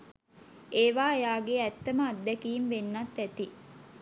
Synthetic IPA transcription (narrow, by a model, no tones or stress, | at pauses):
ʔeːʋaːejaːɡeɛt̪ːɐməɐd̪ːɛkiːmʋenːɐt̪ːɛt̪i